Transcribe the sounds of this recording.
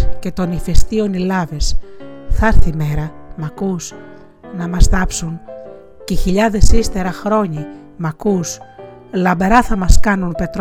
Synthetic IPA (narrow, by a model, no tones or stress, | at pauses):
ce̞t̪o̞nife̞st̪io̞nilɐvesθɐɾθime̞ɾɐmɐkus | nɐmɐst̪ɐpsun | ceçiʎɐðe̞sist̪e̞ɾɐxɾo̞ɲi | mɐkus | lɐmbeɾɐθɐmɐskɐnunpe̞t̪ɾ